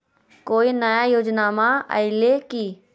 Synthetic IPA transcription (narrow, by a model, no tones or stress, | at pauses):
koːinəjajoːd͡ʒnaːmaə̰ɪlekiː